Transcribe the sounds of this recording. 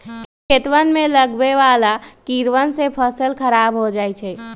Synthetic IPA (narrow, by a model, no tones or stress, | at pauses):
kʰet̪ʋənmẽləɡbeʋalakiɾʋənsepʰəsəlkʰəɾabɦod͡ʒajt͡ʃʰɛ